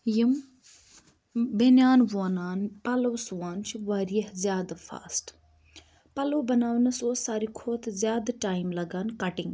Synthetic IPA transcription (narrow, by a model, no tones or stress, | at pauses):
jim | benjaːnʋoːnaːnpɐlɐwsuʋaːnt͡ʃʰiʋaɾijɐhzʲjaːd̪fʰa̰ːsʈ | pɐlɐwbɐnaːʋnɐsoːsaːɾikʰoːt̪ʰzʲjaːd̪ʈaːjmlɐɡaːnkɐʈiŋɡ